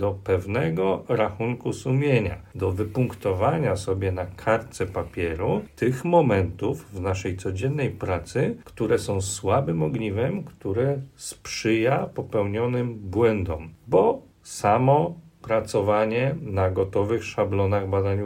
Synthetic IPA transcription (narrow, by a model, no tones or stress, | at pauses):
d̪ɔpɛvnɛɡɔɾaxuŋkusumʲjeɲa̰d̪ɔvɘpuŋkt̪ɔvaɲasɔbʲjɛnakʰaɾt̪sɛpapʲjɛɾut̪ɘxmɔmɛnt̪uvvnaʂɛjt̪sɔd͡ʑɛnːɛjpɾat̪sɘkt̪uɾɛsɔ̃w̃swabɘmɔɡɲivɛmkt̪uɾɛspʂɘjapɔpɛwɲɔnɘmbwɛnd̪ɔmbɔ | samɔpɾat̪sɔvaɲɛnaɡɔt̪ɔvɘxʂablɔnaɣbad̪aɲu